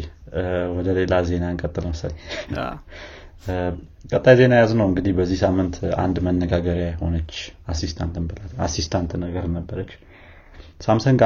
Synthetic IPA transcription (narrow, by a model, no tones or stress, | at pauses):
wɔd̪əle̞laze̞naɨŋkʼət̪ʼːɨləməsəlɲ | kʼət̪ʼːajze̞najaznəwɨŋɡɨd̪ihbəzːihsamːɨnt̪ʰa̰nd̪mənːəɡaɡəɾjajho̞nət͡ʃːasist̪ʰant̪ʰɨnbəlala̰sist̪ʰant̪nəɡəɾnəbːəɾət͡ʃː | samsəŋɡa